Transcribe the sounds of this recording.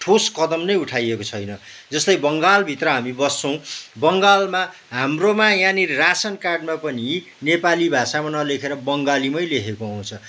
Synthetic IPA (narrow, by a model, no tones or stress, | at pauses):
ʈʰoskʌd̪ʌmnʌjuʈʰajekot͡sʰʌjnʌ | d͡zʌslʌjbʌŋɡalbʱit̪rʌɦamibʌsːʌ̃w̃bʌŋɡalma | ɦamromajãnirasʌnkarɖmapʌni | nepalibʱasamanʌlekʰeɾʌbʌŋɡalimʌjlekʰekoaw̃t͡sʰʌ